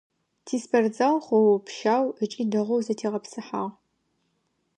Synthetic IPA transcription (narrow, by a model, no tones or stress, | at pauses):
tʰiːspʰɐrd͡zɐʁχʷɔwpʃaːwət͡ʃʼiːdɨʁʷowzɐtʰiːʁɐpsɨħaːʁ